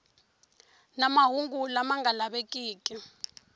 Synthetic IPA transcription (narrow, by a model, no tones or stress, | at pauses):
namaɦuŋɡulamaŋalaɓekʼiːkʼi